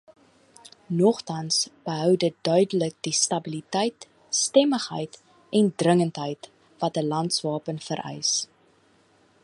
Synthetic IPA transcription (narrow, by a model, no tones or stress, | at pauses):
nɔχtɐnsb̥əɦœwdət̚dœɥdələk̚distɐbilitɛjt | stɛməχɦə̰jt | ɛndrəŋəntɦəjt | vɐtəlɐntsvɑːpənfəɾʔɛ̰js